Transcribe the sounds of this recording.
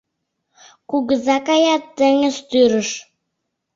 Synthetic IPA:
kuɡəzɑkɑjɑt̪ːəŋəzt̪yɾə̆ʃ

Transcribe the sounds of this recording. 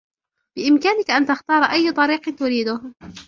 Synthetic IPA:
b̥ɪʔɪmkaːnɪkaʔant̪axt̪ɑːɾˤɑʔajːt̪ˤɑɾiːqt̪ʊɾiːd̪ʊh

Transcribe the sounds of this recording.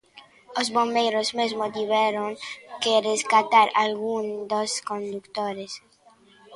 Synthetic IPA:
ozbõmbejɾozmezmod̪iβɛɾoŋkerezɡat̪aɾalɣũnd̪oskõnd̪ukt̪oɾes

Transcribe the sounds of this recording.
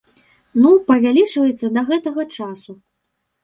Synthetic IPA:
nupɐvʲalʲit͡ʂvɐjɛt̪sːɐd̪ɐɣɛt̪ɐɣɐt͡ʂasu

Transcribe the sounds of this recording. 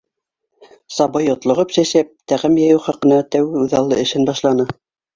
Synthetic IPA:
sɑbɤjŏt̪lˠŏʁɤpsæʃæp̚t̪æʁɘmjæjɘwχɑqɤ̆nɑt̪æwɘʉðɑlˠːɤɘ̆ʃɘnbɑʃlˠɑnɤ

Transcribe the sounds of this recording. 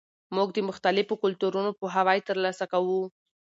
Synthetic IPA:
muɡ̚d̪əmʊxt̪alɪfokʊlt̪uɾunopoɦawɑjt̪əɾlɑsakawu

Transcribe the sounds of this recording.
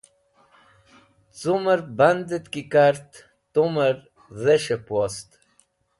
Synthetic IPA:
t͡suməɾband̪ət̪kikaɾt̪ | t̪uməɾ | ðɛʃəpwɔst̪

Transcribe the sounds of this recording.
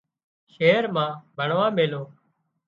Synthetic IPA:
ʃeːɾmãːbʱəɳʋãːmeːloː

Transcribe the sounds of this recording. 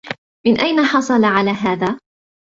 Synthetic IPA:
mɪnʔajnaħɑsˤɑlʕalaːɦaːðaː

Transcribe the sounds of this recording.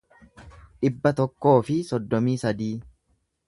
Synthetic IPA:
ᶑɪbːɐt̪ɔkːo̞ːfɪsɔd̪ːɔmiːsɐd̪iː

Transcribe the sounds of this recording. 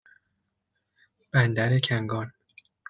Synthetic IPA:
b̥ænd̪æɾecʰæŋɡɒːn

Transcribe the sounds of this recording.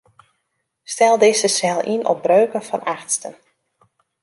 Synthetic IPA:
stɛlˠdɪsəsɛlˠinʔɔ̰p̚brøːkəfɔnʔaxtstən

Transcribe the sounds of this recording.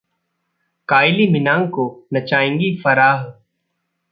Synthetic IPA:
kaːɪlimɪnãːŋkonɐt͡ʃaːẽːŋɡifɐɾaːɦ

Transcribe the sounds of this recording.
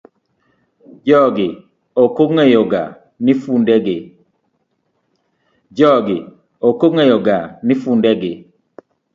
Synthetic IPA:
d͡ʒɔɡɪ | okoŋejoɡa | nɪfundɛɡɪ | d͡ʒɔɡɪ | okoŋejɔɡanɪfundɛɡɪ

